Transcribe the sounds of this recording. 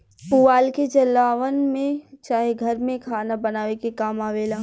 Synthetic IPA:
puʋaːlket͡ʃɐlːaːʋənmẽt͡ʃaːɦeɡʱɐɾmẽkʰaːnabɐnaːʋekekaːmaːʋeːlaː

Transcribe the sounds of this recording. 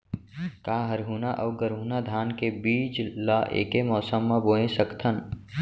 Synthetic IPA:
kaːɦəɾɦuːnaʔɐʊɡəɾɦuːnad̪ʱaːnkebiːt͡ʃlaːʔḛːkemɔːsəmːãboːẽsəkt̪ʰən

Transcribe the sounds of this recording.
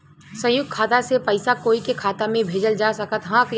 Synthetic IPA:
sə̃jʊɡ̚kʰːaːt̪asepəɪsakoːikekʰaːt̪amẽbʱeːd͡ʒəld͡ʒasɐkət̪ɦãk

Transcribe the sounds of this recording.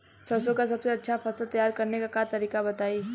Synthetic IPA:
sʰəsõkasəbseɐtːʃʰapʰəsəlt̪əjaːɾkəɾnekakat̪əɾiːkabət̪aːi

